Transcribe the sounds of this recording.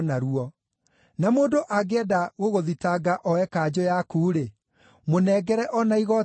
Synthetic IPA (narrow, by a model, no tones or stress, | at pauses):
naɾuɔ | namoːndoʔaɡeɛdaɣoɣoðitaɡaʔɔɛkaːd͡ʑɔjakuːɾe | monɛːɡɛɾɛʔɔnaiɣɔ